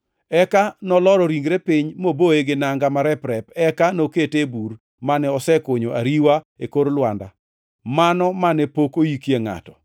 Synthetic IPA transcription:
ɛkanɔlɔɾɔɾiŋɡɾepɪɲmoboeɡɪnaŋɡamaɾɛpɾɛpɛkanoketebuɾ | manɛɔsɛkoɲoʔaɾiwa | ekoɾlwanda̰ | manɔmanɛpokojikjeŋa̰tɔ

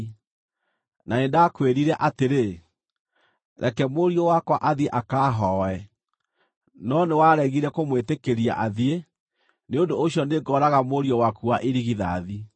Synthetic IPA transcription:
naedakweɾiɾɛʔateɾe | ɾʔɛ̰kɛmoɾiɔwakwaʔaðieʔakaːɦɔɛ | nɔnewaɾɛɣiɾɛkomwetekeɾia̰ʔaðie | neondoːɕjɔneɡɔːɾaɣamoɾiɔwakuaʔeɾiɣiða̰ði

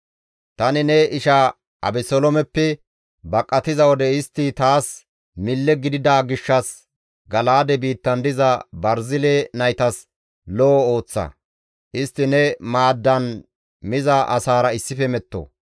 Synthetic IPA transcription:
t̪ɐnɪnɛɪʃa | ʔɐ̰bɛsɔlɔmɛpːɛ | bɐkʼːɐt̪ɪzɐwɔd̪ɛɪst̪ːɪt̪aːs | mɪlːɛɡɪd̪ɪd̪aːɡɪʃːɐs | ɡɐlaːd̪ɛbiːt̪ːɐnd̪ɪzɐbɐɾzɪleːnɐjt̪ɐs | lɔːo̞ːt͡sːɐ̰ | ʔɪst̪ːɪnɛmaːd̪ːɐn | mɪzɐʔɐsaːɾɐɪsːɪfɛmɛt̪ːo̰

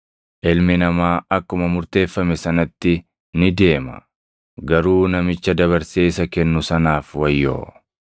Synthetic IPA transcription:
ʔɪlmɪnɐmaːɐkːʊmɐmʊɾt̪e̞ːfːɐmɛsɐnɐt̪ːɪ | nɪd̪e̞ːmɐ̰ | ɡɐɾuːnɐmɪt͡ʃːɐd̪ɐβɐɾseːsɐkɛnːʊsɐnaːfwɐjːo̰ː

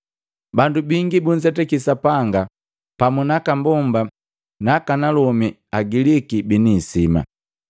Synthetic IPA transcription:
bandubiŋɡibun̩d͡ʒɛtɛkisapaŋɡa | pamunakambɔmba | nakanalɔmi | aɡilikibinisima̰

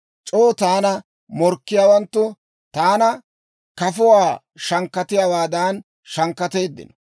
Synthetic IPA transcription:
t͡ʃʼoːt̪aːnɐ | mɔɾkːɪjaːwɐnt̪ːʊ | t̪aːnɐ | kɐfʊwaː | ʃɐŋkːɐt̪ɪjaːwaːd̪aːn | ʃɐŋkːɐt̪e̞ːd̪ːɪ̰nɔ

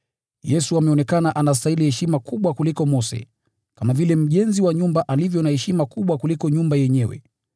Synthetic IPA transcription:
jɛsuamɛɔnɛkanaʔanas̬tailihɛʃimakuɓwakulikɔmɔsɛ̰ | kamavilɛm̩ʄɛnziwaɲumbaʔalivjɔnahɛʃimakuɓwakulikɔɲumbajɛɲɛwɛ̰

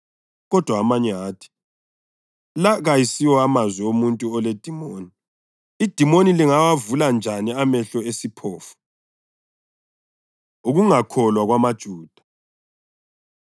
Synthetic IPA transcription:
ɣɔd̥ʱwaːmaɲɛaːtʰi̥ | laɣajisiwɔamazwiomuntʼuɔled̥ʱimoːni | id̥ʱimoniliŋawavuland͡ʒʱaniamɛɬɔesipʰɔːfu̥ | uɣuŋakʰɔlwaɣwamad̥ʒ̥ʱuːd̥ʱḁ

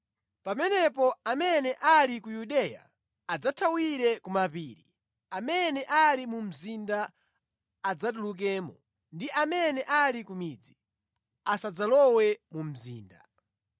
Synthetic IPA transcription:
pamɛnɛpɔamɛnɛʔalikujuɗɛja̰ | ad͡zatʰawiɾɛkumapiːɾi | amɛnɛʔalimum̩zindaː | d͡zat̬uluk̬ɛːmɔ | ndiʔamɛnɛʔalikumid͡zi | asad͡zalɔwɛmum̩zḭːnda̰

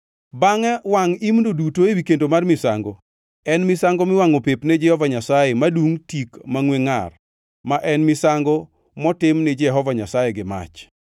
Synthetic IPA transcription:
baŋɛwaŋimndodutoewikendomarmɪsaŋɡɔ | ɛnmɪsaŋɡɔmɪwaŋopepned͡ʒɛhɔvaɲasajemaduŋtikmaŋweŋa̰r | maʔɛnmɪsaŋɡɔ | mɔtɪmnɪd͡ʒɛɦɔvaɲasajeɡɪma̰t͡ʃ

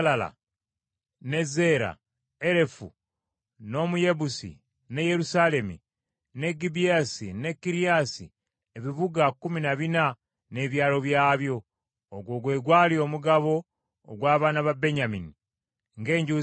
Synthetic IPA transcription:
lala̰ | ne̞ze̞ːɾa̰ | e̞ɾe̞fṵ | no̞muje̞busḭ | ne̞je̞ɾusale̞mḭ | ne̞ɡibijasine̞kːiɾijasḭ | e̞βiβuɡakːuminaβina | ne̞ːβjaːlo̞βjaːβjo̞ː | ɡwo̞ːɡwe̞ːɡwaːlio̞ːmuɡaβo̞ː | ɡwaːβaːnaβabe̞ɲamini | ŋɡe̞ːɲɟu

